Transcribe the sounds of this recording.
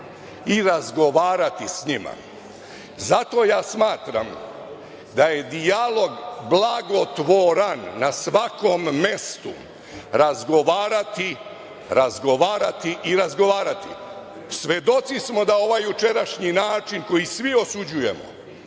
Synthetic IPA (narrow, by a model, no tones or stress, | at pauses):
iɾazɡo̞ʋaːɾat̪isɲima̰ | zat̪o̞ːjaːsmaːt̪ɾa̰m | d̪aje̞d̪ialo̞ɡblˠaɡo̞t̪ʋoɾanːasʋako̞mːe̞st̪u | ɾazɡo̞ʋaːɾat̪i | ɾazɡo̞ʋaːɾat̪iʔiɾazɡo̞ʋaːɾat̪ḭ | sʋe̞d̪o̞t̪sismo̞d̪ao̞ʋajjut͡ʃe̞ɾaʃɲinaːt͡ʃinko̞jisʋio̞sud͡ʑuje̞mo̰